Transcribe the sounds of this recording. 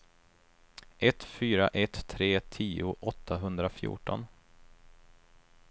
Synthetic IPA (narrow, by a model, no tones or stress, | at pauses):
ʔɛt̪fyːɾaʔɛt̪ʰːɾeːt̪ʰiːʊʔɔt̪ʰːaɦɵnd̪ɾafjṵːʈɔ̰n